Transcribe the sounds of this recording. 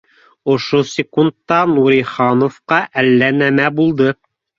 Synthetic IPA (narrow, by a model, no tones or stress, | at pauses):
ŏʃosʲɪkunt̪ːɑnuɾʲiχɑnŏfqɑʔælːænæmæbulˠd̪ɤ